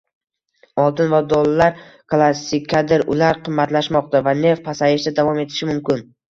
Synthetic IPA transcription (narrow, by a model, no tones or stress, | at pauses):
ɒlˠt̪ʰɪnvad̪olˠalaɾklˠasːɪkʲʰːad̪ɪɾʊ̰laɾqʰɨmːat̪laʃmɒqt̪avane̞fpʰasajɪʃd̪ad̪avɒme̞t̪ʰɪʃɪmʊmkʲɪn